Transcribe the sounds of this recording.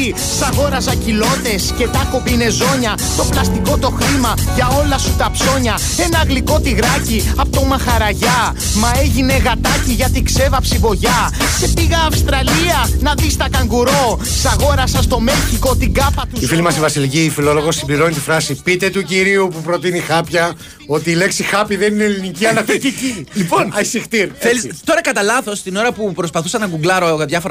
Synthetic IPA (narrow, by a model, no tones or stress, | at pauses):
sɐɣo̞ɾɐzɐcilo̞t̪e̞sce̞t̪ɐko̞pine̞zo̞ɲɐ | t̪o̞plɐst̪iko̞t̪o̞xɾimɐʝɐo̞lɐsut̪ɐpso̞ɲɐ | e̞nɐɣliko̞t̪iɣɾɐciɐpot̪o̞mɐxɐɾɐʝɐ | mɐe̞ʝine̞ɣɐt̪ɐciʝɐt̪ikse̞vɐpsivo̞ʝɐse̞piɣɐːfst̪ɾɐliɐnɐðist̪ɐkɐŋɡuɾo̞sɐɣo̞ɾɐsɐst̪o̞me̞lçiko̞t̪iɡɐpɐt̪uifilimɐsivɐsilicifilo̞loɣo̞sːimbliɾo̞nit̪ifɾɐsipit̪e̞t̪uciɾiupupɾo̞t̪inixɐpçɐ | o̞t̪iːle̞ksixɐpiðenineliniciɐnɐt̪it̪iciliponɐsixt̪iɾθelit̪o̞ɾɐkɐt̪ɐlɐθo̞st̪ino̞ɾɐpupɾo̞spɐθusɐnɐɡuɡlɐɾo̞ɣɐðʝɐfo̞ɾɐ